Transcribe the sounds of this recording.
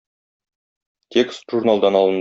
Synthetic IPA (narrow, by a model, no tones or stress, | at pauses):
t̪ʲʰekst̪ʒurnalˠd̪ɑnɒlˠɤ̆n